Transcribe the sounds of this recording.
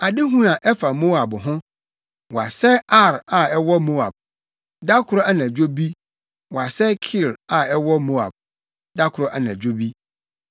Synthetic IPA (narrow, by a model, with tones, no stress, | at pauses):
a˨dɪ˦ɦũ˦a˨ʔɛ˦fa˨mo˦a˨bɦʊ̃˦ | wɔ˨a˨sɛ˦a˦˨ɾa˨ɛ˦wɔ˦mo˦a̰˨b̚ | da˦kʰʊ˨ɾɔ˦a˦nã˨d͡ʑᶣo˦bi˦ | wɔ˨a˨sɛ˦kʰi˦˨ɾa˨ɛ˦wɔ˦mo˦a̰˨b̚ | da˦kʰʊ˨ɾɔ˦ʔa˨nã˨d͡ʑᶣo˦bi˦